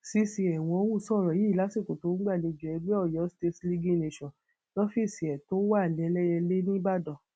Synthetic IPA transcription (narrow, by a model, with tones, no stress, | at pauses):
si˧si˧ɛ˨w̃ɔ̃˧o˦wu˦˨sɔ˦˨ɾɔ˨ji˨˦˨la˨˦si˦˨ko˨to˨˦ɡ͡ba˦˨le˨˧˨d͡ʒɛ˨˧be˦ɔ˦˨jɔ˨˦ste˧tli˧ɡi˦˨ne˧˨ʃɔ̃˨ | lɔ˦fi˦˨si˨ɛ˨to˨˦wa˦˨lɛ˨˦lɛ˦jɛ˧le˦nĩ˦ba˦˨dɔ˨